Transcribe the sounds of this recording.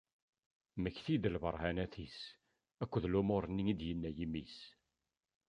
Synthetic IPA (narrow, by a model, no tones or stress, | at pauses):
məçθid̪əlvə̰ɾˤhænæθis | ækʷːəðlumʊɾˤənːiid̪jənːæjimis